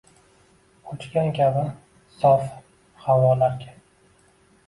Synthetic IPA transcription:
ʊt͡ʃkʲankʲabɪn | sɒf | hawɒlaɾɡʲa

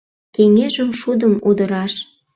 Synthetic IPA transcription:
keŋeʒəmʃud̪əmud̪əɾɑʃ

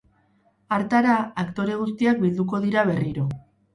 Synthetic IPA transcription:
aɾt̪aɾaakt̪o̞ɾe̞ɣ̞ust̪iak̚bild̪uko̞ðiɾaβe̞riɾo̞

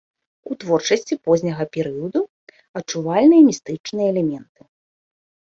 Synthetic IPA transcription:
ut̪vɔrt͡ʂɐsʲt͡sʲipɔzʲnʲɐɣɐpʲɛɾɨjɐd̪u | ɐtt͡ʂuvalʲnɨjɐmʲist̪ɨt͡ʂnɨjɐɛlʲɛmʲɛnt̪ɨ̥

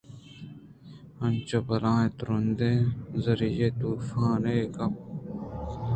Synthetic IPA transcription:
ɐnt͡ʃopɐlãːet̪ɾund̪ezɐɾijet̪uːfãːɾeːkɐp̚

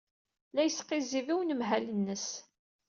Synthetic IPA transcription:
læjəsqiziviwnəmɦælənːəs

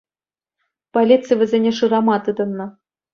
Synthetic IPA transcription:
polʲit̪t͡sɨjvʲɘ̆zʲenʲeʂɯɾɑmɑt̪ɯd̪ɤ̆nːɤ̆

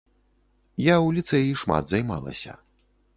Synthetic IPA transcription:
jaulʲit̪sɨjjiʂma̰d̪zajma̰lˠɐ̰sʲɐ̰

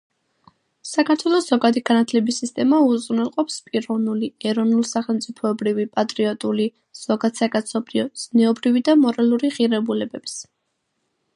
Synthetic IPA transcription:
sakʰaɾt̪ʰwɛlˠɔsz̥ɔɡad̪iɡanat̪ʰlɛbisːist̪ʼɛmauzʼʁnɛlˠqʼɔpspʼiɾɔvnuliɛɾɔnulˠsaχɛlˠmt̪sʼipʰɔɛbɾivipʼat̪ʼɾiɔt̪ʼuli | z̥ɔɡad̪̥sakʼat̪sʰɔbɾiɔz̥nɛɔbɾivid̪amɔɾalˠuɾiʁiɾɛbulɛbɛps

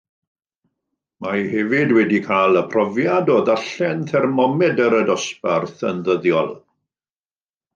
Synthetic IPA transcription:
majhɛvɪdwɛdikʰaːlˠəpʰrɔvjadoːðaɬɛnθʰɛrmɔmɛdəɾədɔsparθənðəðjɔ̰lˠ

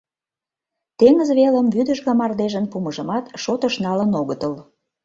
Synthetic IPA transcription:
t̪eŋəzβeləmβyd̪ə̆ʒɣɑmɑrd̪eʒənpuməʒə̆mɑt̪ʃot̪əʃnɑlənoɣət̪əl

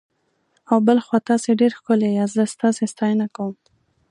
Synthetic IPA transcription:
awbəlxwɑt̪ɑseɖeɾxkʊlejazəst̪ɑsest̪ɑjnakawəm

